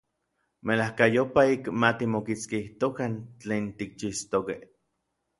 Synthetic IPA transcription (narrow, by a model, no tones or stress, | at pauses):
melahkajopaikmat̪imokit͡skiht̪okant͡ɬeːnt̪ik̚t͡ʃist̪okeh